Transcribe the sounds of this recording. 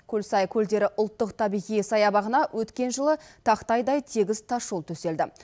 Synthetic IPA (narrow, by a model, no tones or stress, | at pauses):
kʲʰɵlsɑjkʲʰɵld̪e̞ɾɪʔʊlˠt̪ːəqt̪ʰɑbijʁijəsɑjɑbɑʁənɑwʔɵt̪kʲe̞nʒəlˠət̪ʰɑqt̪ɑjd̪ɑjt̪ʰeɡʲɪzt̪ʰɑʃulˠt̪ʰɵse̞ld̪ɪ